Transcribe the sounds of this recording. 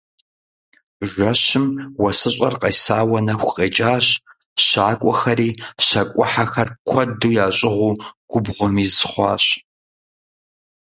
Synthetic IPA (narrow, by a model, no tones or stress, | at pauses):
ʒʷɐɕɪmwɐsɨɕʼɐrqɐjsaːwɐnɐxʷqʼeːt͡ʃʼaːɕ | ɕaːkʷʼɔxɐɾiːɕɐkʷʼʊħaxɐrkʷʰɐduːjaːɕʼɪʁʷuːɡ̥ʷʊbʁʷɔmiːzχʷɑːɕ